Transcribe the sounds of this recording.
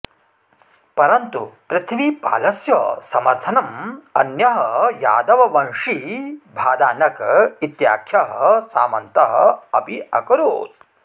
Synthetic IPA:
pɐɾɐnt̪upɾɪt̪ʰimipa̰ːlɐsjɐsɐmɐɾt̪ʰɐnɐmɐ̰njɐɦɐja̰ːd̪ɐʋɐʋɐnʂibʱaːd̪aːnɐkit̪ja̰ːkʰjɐɦɐsa̰ːmɐnt̪ɐɦɐ̰ɐ̰piɐ̰kɐɾoːt̪̚

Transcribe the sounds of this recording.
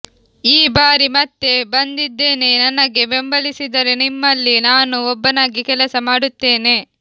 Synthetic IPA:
iːbaːɾimɐt̪ːe̞bɐnd̪id̪ːe̞ːne̞nɐnɐɡe̞be̞mbɐlisid̪ɐɾe̞nimːɐlːinaːnuɔbːɐnaːɡikɛlɐsɐmaːɽut̪ːe̞ːne̞

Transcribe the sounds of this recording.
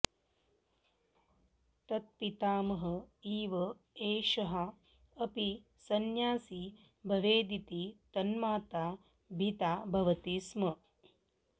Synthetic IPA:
t̪ɐt̪̚pit̪aːmɐɦɐ̆iːʋɐ | eːʃɐɦɐ | ɐpi | sɐnjaːsi | bʱɐʋeːd̪it̪it̪ɐnmaːt̪aː | bʱit̪aːbʱɐʋɐt̪ismɐ

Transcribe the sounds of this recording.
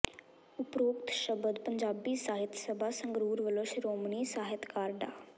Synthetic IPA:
ʊpɾoːkt̪ʃəbəd̪pəɲd͡ʒaːbiːsaːɦɪt̪səbʱaːsə̃ŋɡɾuːɾʋəloʃɾoːmniːsaːɦɪt̪kaːɾɖaː

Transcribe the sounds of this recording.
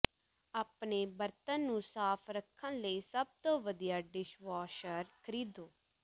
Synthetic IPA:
aːpɳeːbəɾt̪ə̃nːũːsaːpʰɾəkʰːãːləiːsəb̚t̪õːʋəd̪ijaːɖɪʃʋaːʃəɾkʰəɾiːd̪oː

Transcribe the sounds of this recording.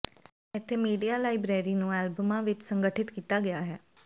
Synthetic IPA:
ɪt̪ʰːeːmiːɖijaːlaːɪbɾɛːɾiːnũːɛːlbəmãːʋɪt͡ʃsəŋɡəʈʰɪt̪kiːt̪aːɡɪjaːɦɛː

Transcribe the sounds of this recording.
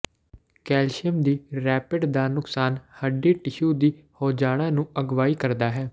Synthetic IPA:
kɛːlʃəmd̪iːɾɛːpɪɖd̪aːnʊksaːnhəɖiːʈɪʃuːd̪iːhoːd͡ʒaːɽ̃ãːnũːəɡʋaːiːkəɾd̪aːɦɛː

